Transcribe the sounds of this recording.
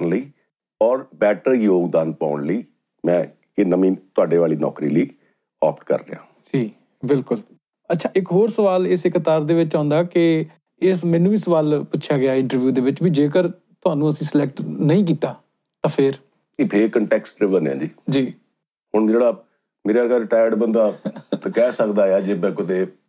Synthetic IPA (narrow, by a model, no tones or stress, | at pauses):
nləiː | ɔːɾbɛːʈəɾjoːɡd̪aːnpa̰ːʊɳləiː | mɛ̃ː | enəmĩːt̪ʊaːɖeːʋaːliːnɔ̰ːkɾḭːləiː | ɔːpʈkə̰ɾːə̰jã̰ː | d͡ʒiː | bɪlkʊl | ətːʃʰaːʔɪkɦoːɾsəʋaːlɪsɪkt̪aːɾd̪eːʋɪt͡ʃãːnd̪aːkɪ | ɪsmɛ̃ːnːũːɪːsəʋaːlpʊtːʃʰjaːɡɪaːɪ̃ɳʈəɾʋjuːd̪eːʋɪt͡ʃbiːd͡ʒeːk̬əɾ | t̪ʊaːnũːəsĩːsəlɛk̚ʈnəĩːk̬iːt̪aː | t̪ãːpʰɪɾ | epʰeːkəɳʈɛːksʈɾɪbəneã̰ːd͡ʒiːd͡ʒiː | hʊɳd͡ʒeːɽaː | meːɾaːɡəlʈaːjəɖbənd̪aːkɛːsəkd̪aːjaːd͡ʒeːbɛ̃ːkʊd̪eː